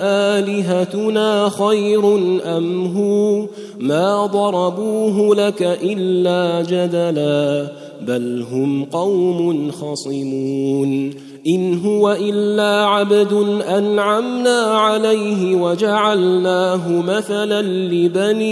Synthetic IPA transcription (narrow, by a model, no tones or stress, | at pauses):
ʔaːlɪɦat̪ʊnaːxajɾʊnʔamɦuː | maːd̪ˤɑɾˤɑbuːɦʊlakaʔɪlːaːd͡ʒad̪alaː | balɦʊmqɑwmʊnxɑsˤɨmuːuːn | ʔɪnɦʊwaʔɪlːaːʕabd̪ʊnʔanʕamnaːʕalajɦɪwad͡ʒaʕalnaːɦʊmaθalan | lɪbaniː